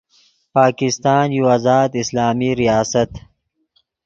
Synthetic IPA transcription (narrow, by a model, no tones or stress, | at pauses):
paːkɪst̪ɑːnjuazɑːd̪ɪslɑːmiɾijɑːsat̪